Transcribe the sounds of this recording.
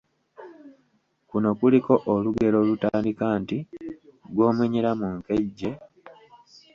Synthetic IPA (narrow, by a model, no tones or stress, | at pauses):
kuno̞kuliko̞ʔːluɡe̞lo̞lutaːndikaːnti | ɡwo̞ːmwiɲiɾamuŋke̞ɟːe̞